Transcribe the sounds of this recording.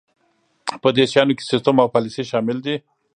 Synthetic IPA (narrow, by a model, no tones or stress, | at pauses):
pəd̪eʃjɑnoke̥sɪst̪əmawpɑlɪsiʃɑmɪld̪i